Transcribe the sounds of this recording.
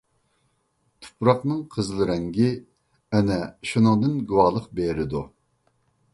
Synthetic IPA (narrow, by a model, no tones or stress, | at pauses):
t̪ʰu̥pʰɾɑqnɨŋqʰəzlˠɨɾɛŋɡʲɪ | ɛnɛʃunɨŋd̪ɨnɡuwɑlˠəqbeɾɪd̪u